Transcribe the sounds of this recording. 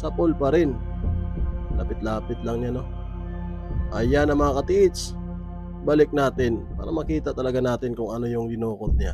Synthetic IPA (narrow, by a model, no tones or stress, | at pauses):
sɐpolpɐɾɪn | lɐ̰pɪt̪laːpɪt̪lɐŋɲano̞ | ʔɐjanɐmɐŋakɐt̪ɪʔɪt͡ʃ | balɪk̚naːt̪ɪnpa̰ːɾɐ̰mɐkiːt̪ɐt̪ɐlɐɡanaːt̪ɪnkʊŋɐno̞jʊŋɡɪnoːkont̪a